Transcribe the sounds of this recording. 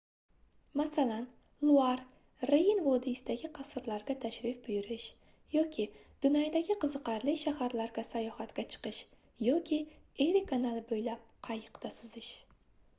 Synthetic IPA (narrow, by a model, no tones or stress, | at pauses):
masalan | lˠʊaɾ | ɾejinvɒd̪ɪɪsɪd̪aɡʲɪqʰɑsɨɾlaɾɡʲat̪ʰaʃɾɪfbʊjɪɾɪʃ | jɒkʲʰɪd̪̥ʊnɒjd̪aɡʲɪqʰɨzɨqɑɾlɪkʲʃahaɾlaɾɡʲasajɒhat̪ɡʲat͡ʃʰɨ̥qɨʃ | jɒkʲʰɪeɾikʰanalˠbojlap̚qʰɑjɨqt̪asʊzɪʃ